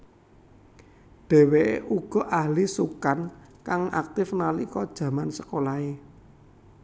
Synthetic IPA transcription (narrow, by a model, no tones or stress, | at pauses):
ɖ̥ɛ̤weʔuɡ̥ɔ̤ʔahlisukankaŋa̰k̚t̪ɪfnalikɔd̥ʒ̥ä̤mansəkolae